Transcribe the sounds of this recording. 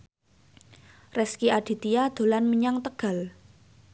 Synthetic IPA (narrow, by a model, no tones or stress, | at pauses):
rɛskiʔaɖ̥i̤t̪ijad̪̥o̤lanməɲaŋt̪əɡ̥a̤l